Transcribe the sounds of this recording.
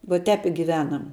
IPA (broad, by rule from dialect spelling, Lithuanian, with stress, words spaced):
ʋoː ˈtʲɛːp ɪ ɡʲɪˈʋʲæːnɐm